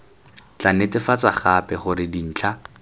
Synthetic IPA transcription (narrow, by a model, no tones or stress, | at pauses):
t͡ɬanetɪfat͡saχapɛχʊɾɪdin̩ːt͡ɬʰa